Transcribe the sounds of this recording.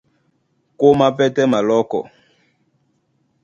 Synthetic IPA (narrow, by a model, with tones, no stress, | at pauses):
ko˦ma˦pɛ˦tɛ˦ma˨lɔ˦kɔ̰˨